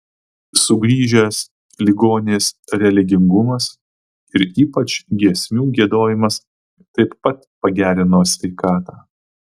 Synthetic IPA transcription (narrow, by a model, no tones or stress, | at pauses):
sʊɡɾʲiːʒʲɛs | lʲɪɡoːnʲesɾʲɛlʲɪɡʲɪŋɡʊmɐs | ɪɾiːpɐt͡ʃɡʲiɛsʲmʲuːɡʲiɛd̪oːjɪmɐs | t̪ɐɪpːɐt̪pɐɡʲæːɾʲɪnoːsʲʋʲɛɪkɑːt̪ɑː